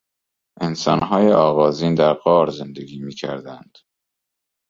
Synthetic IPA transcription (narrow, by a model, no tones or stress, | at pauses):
ʔensɒ̰ːnɦɒːjeʔɒːɣɒːziːnd̪æɾɢɒːɾze̞nd̪e̞ɡiːmiːcʰæ̰ɾd̪ænd̪̥